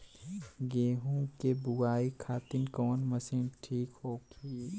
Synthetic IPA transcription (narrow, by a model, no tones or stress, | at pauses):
ɡeːɦũkebʊɡaːikʰaːt̪ɪnkɔːnmɐsiːnʈʰiːkɦoːɡʰi